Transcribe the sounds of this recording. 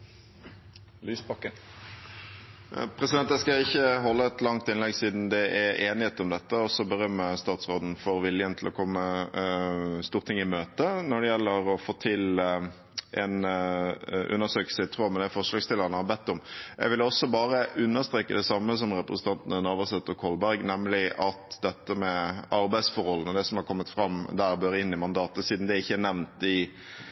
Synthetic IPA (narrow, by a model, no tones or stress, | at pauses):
lyːsbɑkːə | pʰʁɛsɪd̪ɛnt̪æskɑɪçːəɦɔlːəɛt̪lɑŋt̪ɪnlɛɡsiːd̪n̩d̪ɛʔɛeːnɪheːt̪ɔmd̪ɛt̪ːəɔsːɔbəɾœmːəst̪ɑːt̪sʁoːd̪n̩fɔɾʋɪljənt̪ʰɪlɔkʰɔmːə | st̪uːʁt̪ʰɪŋːɪmøːt̪ənɔɖɛjɛlːəɾɔfoːt̪ʰɪl | ʔɛn | ʔʉ̰nːəsøːkl̩səɪt̪ʰʁuːmɛnɛæfɔʁʂlɑːɡst̪ɪlːəʁənəhɑbɛt̪ːɔmjɛɪɡʋɪlɔsɔbɑːɾəʔʉnːəst̪ɾeːkəd̪ɛsɑmːəsɔmɾɛpɾəsn̩t̪ɑnt̪ənənɑːʋəsɛt̪ːɔkʰɔlbæɾɡnɛmlɪʔɑt̪d̪ɛt̪ːəmɛɑɾbæɪsfɔɾhɔlːnəd̪ɛsɔmhɑʁkʰɔmːət̪fɾɑmd̪æːɾbøːɾɪnːɪmɑnd̪ɑːt̪əsiːd̪n̩d̪ɛɪçːəænɛʋnt̪ɪ